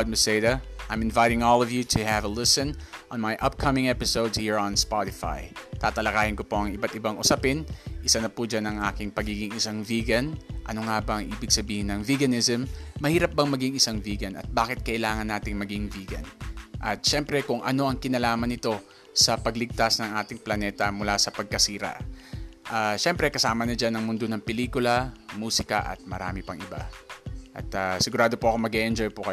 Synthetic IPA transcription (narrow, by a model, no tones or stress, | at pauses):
d̪̚mɛsed̪ɐʔajmɪnvajt̪ɪŋɔlˠɔvjut̪ʰʊhɛvɐlɪsɔ̃nʔɔ̃nmajʔɐp̚kʰɐmɪ̃ŋɛpɪsowd̪shiɹɔ̃nspat̪ɪfa̰jt̪aːt̪ɐlɐkaːhɪnkopo̞ɐŋɪbat̪ɪbaŋʔʊsɐpɪnʔɪsanɐpud͡ʒanɐŋʔaːkɪŋpɐɡiːɡɪŋɪsaŋviːɡɐnʔɐ̰noŋaːbɐɐŋʔiːbɪɡsɐbiːhɪnɐŋviɡɐnɪzɛmːɐhiːɾɐp̚bɐŋmɐɡiŋɪsaŋviːɡɐnɐ̰t̪̚baːkɪt̪̚kɐʔɪlaːŋɐnːaːt̪ɪŋmɐɡiŋviːɡɐ̰nʔɐt̪̚ʃɛmpɾɛkʊŋʔɐno̞ʔɐŋkɪnɐlaːmɐnɪt̪o̞ | sɐpɐɡlɪɡ̚t̪asnɐŋʔaːt̪ɪŋplɐnɛːt̪ɐmʊlasɐpɐɡ̚kɐsiːɾɐ̰ʔʔaʃɛmpɾɛkɐsaːmɐnɐd͡ʒanːɐŋmʊnd̪onɐŋpɛliːkʊlɐmuːsɪkɐ̰ʔɐ̰t̪̚mɐɾa̰ːmɪpɐŋɪba̰ʔɐ̰t̪asɪɡʊɾaːd̪o̞poɐkomɐɡɛʔɛnd͡ʒojpokɐ